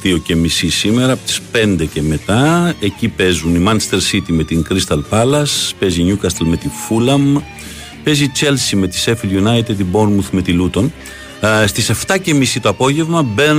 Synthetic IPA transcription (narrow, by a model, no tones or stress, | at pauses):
ðio̞cemisisime̞ɾɐːpot̪i̥spe̞nd̪e̞ce̞me̞t̪ɐe̞cipe̞zunimɐnst̪e̞ɾsit̪ime̞t̪iŋkɾist̪ɐlpɐlɐspe̞ziɲukɐst̪elme̞t̪ifulɐm | pe̞zit͡ʃe̞lsime̞t̪i̥se̞filʝunɐjt̪id̪ibo̞nmuθme̞t̪ilut̪o̞n | st̪ise̞ft̪ɐce̞misit̪o̞ɐpo̞ʝe̞vmɐbe